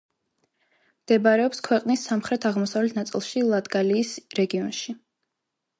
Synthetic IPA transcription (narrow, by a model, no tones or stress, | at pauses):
md̪̥ɛbaɾɛɔpskʰwɛqʼnisːamχɾɛt̪ʰaʁmɔsavlɛt̪ʰnat̪sʼḭlˠʃilˠad̪ɡaliːsɾɛɡiɔnʃi